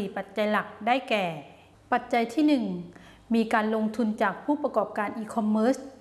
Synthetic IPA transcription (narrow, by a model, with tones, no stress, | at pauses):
iː˨˩pa˨˩t̪̚t͡ɕa˧jla˨˩k̚daː˥˩jkɛː˨˩ | pa˨˩t̪̚t͡ɕa˧jt̪ʰiː˥˩nɯ˨˩ŋ | miː˧kaː˧nlo˧ŋt̪ʰu˧nt͡ɕaː˨˩k̚pʰuː˥˩pa˧kɔː˨˩p̚kaː˧nʔiː˧kʰɔ˧mːɤː˦˥s